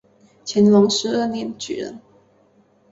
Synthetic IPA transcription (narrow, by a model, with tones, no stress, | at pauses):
t͡ɕʰjɛ˧˥nlʊ˧˥ŋʂɻ̩˧˥ə˥˩njɛ˧˥nt͡ɕy˨˩ɻə̰˧˥˦n